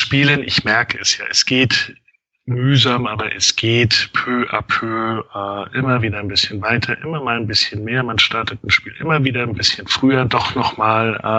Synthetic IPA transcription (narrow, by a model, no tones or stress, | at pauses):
ʃpiːlənʔɪ̰çmɛɐkəɛsja̰ːʔɛsɡ̥eːt | myːzaːmʔaːbɐʔɛsɡ̥eːtpʰøːʔa̰pʰøːʔɪmɐviːdɐnbɪsçənvaɪtʰɐʔɪmɐmaːlnbɪsçənmeːɐmanʃtaɐtətn̩ʃpiːlʔɪ̰mɐviːdɐnbɪsçənfʁ̥yːɐdɔχnɔχmaːlʔ